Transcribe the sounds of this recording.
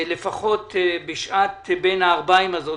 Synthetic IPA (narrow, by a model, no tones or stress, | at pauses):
lefaχo̞t̪beʃat̪benhaːʁbaimazo̞